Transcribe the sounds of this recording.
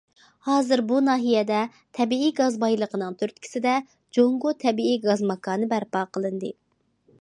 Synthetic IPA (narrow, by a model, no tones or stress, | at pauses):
hɑːzɨɾbunɑːɦijɛd̪ɛ | t̪ʰɛbiiɡɑzbɑjlˠəqʰənɨŋt̪ʰøɾt̪̚kʲʰi̥sɪd̪ɛ | d͡ʒoŋɡot̪ʰɛbiiɡɑzmɑkɑːnɨbæɾpɑːqʰəlˠɨnd̪ɨ